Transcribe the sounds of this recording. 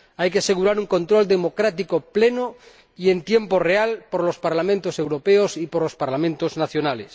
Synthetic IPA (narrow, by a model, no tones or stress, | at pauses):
ajkease̞ɣ̞uɾaɾuŋko̞nt̪ɾo̞ld̪emo̞kɾat̪ikopleno | ient̪je̞mporealpoɾlo̞spaɾlamẽnt̪ose̞wɾo̞peosipoɾlospaɾlamẽnt̪oznaθjonales